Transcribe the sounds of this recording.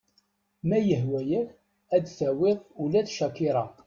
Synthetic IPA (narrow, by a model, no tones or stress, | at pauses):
mæjəhwæjæ | æd̪θæwɪðˤulæθʃækːɪɾˤɑ